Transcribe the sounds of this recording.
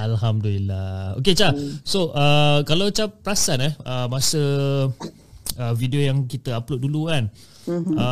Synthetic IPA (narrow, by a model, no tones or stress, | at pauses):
alɦamdəlilao̰ket͡ʃasoʔəkalawt͡ʃapːɾasanɛəmasə | əvidiojaŋkit̪əaplot̪̚dulukan | ə